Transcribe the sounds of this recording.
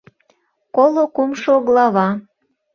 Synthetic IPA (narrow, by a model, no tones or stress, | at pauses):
kolokumʃooɣlɑβɑ